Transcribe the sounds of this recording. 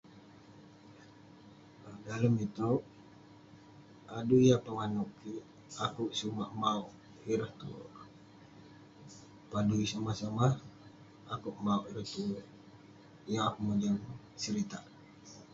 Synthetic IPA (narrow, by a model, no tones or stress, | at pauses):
ədaləmit̪uʔ | adujapəŋanukiʔ | akuʔsumaʔmauʔ | hiɾəht̪ṵ | paduisamahsamah | akuʔmauʔiɾəht̪uʔ | jaakumud͡ʒəŋ | səɾit̪a̰ʔ